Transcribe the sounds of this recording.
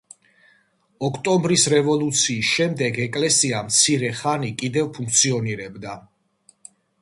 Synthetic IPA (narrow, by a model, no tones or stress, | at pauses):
ɔkʰt̪ʼɔmbɾisɾɛvɔlˠut̪sʰiːsʃɛmd̪ɛɡɛkʼlɛsiamt̪sʰiɾɛχanikʼid̪ɛvpʰũŋk̚ʰt̪sʰiɔniɾɛbd̪a